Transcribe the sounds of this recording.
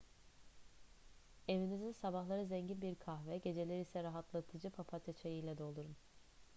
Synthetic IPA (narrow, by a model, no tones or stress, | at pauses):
e̞vinizinsabaɦlˠaɾɯzɛɲɟinbiɾkʰaɦvɛɟe̞d͡ʒe̞lʲɛɾisɛɾaɦat̪ʰlˠat̪ʰɯd͡ʒɯpʰapʰat̪ʰet͡ʃʰejijlʲɛd̪o̞lˠuɾun